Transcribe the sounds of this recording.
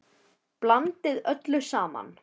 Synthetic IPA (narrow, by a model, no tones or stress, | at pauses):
plant̪ɪðœt̪lʏsaːma̰n